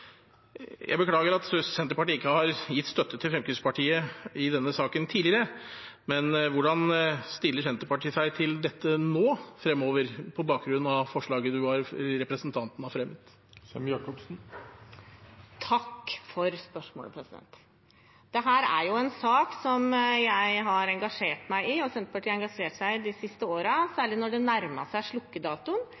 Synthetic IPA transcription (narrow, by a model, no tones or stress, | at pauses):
jʔæ̰ɪbəkʰlɑːɡəɾɑt̪sɛnt̪əɾpɑʈiːɪkːəhɑɾjɪt̪ːst̪œt̪ːət̪ʰɪlfɾɛmkʰʏspɑʈʰiːəɪd̪ɛnːəsɑːkənt̪ʰiːlɪəɾəmɛnʋʊɖɑnst̪ɪlːəʂsɛnt̪əɾpɑʈʰiːsæɪt̪ʰɪld̪ɛt̪ːənoːfɾɛmːoːʋəɾpʰɔbɑːk̚ɡɾʉnn̩ɑʋfɔʂɭɑːɡəd̪ʉʋɑɾɾɛpɾəsənt̪ʰɑnt̪n̩ɑfɾɛmːət̪ | sɛmjɑkɔpsn̩ | t̪ʰɑkːfɔɾspœʂmo̰ːləpʰɾɛsɪd̪ɛ̰nt̪ | d̪̥ɛɦæːɾæɾjʊɛnsɑːksɔmjæɪɦɑɾɛŋɡɑʂeːʈmæɪɪɔsɛnt̪əpɑʈʰiːɛŋɡɑʂeːʈsæɪd̪ɪsɪst̪əoːɾəsæːɭɪnɔɖɛnæɾmə̰ʂæɪʂlʊkːəd̪ɑːt̪ʊn